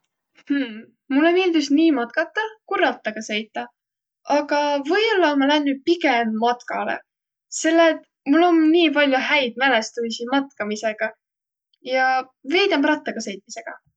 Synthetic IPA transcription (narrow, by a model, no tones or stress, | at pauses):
h̩ | mulːo̞nild̪usniːmɑt̪̚kɑt̪ːˑɑkuɾɑt̪ˑːɑɡ̥ɑsejt̪ːˑɑ | ɑɡɑvɤjolːɑmɑlænːy̥pikemːɑt̪kɑ̰lḛ | se̞lːet̪ | mulːo̞nniːpɑlʲjuɦæjd̪̥̚mæle̞st̪ujsimɑt̪kɑmise̞ɡ̥ɑ | jɑ | ve̞jd̪̥ɑmprɑt̪ːˑɑɡ̥ɑsejt̪̚ˑmise̞ɡ̥ɑ̰